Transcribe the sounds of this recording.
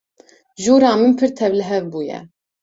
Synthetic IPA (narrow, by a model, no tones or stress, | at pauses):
ʒuːɾɑːmɨnpʰɨɾt̪ʰɛvlɨɦɛvbuːjɛ̰